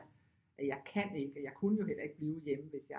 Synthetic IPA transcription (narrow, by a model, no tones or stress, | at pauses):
ʔæjɑ̈ɪkʰæn̰e̝ɡ̥əɒjɑ̈ɪkʰunəjo̝ɦel̰ɐe̝ɡ̥̚b̥liːʊjeməʋe̝sjɑ̈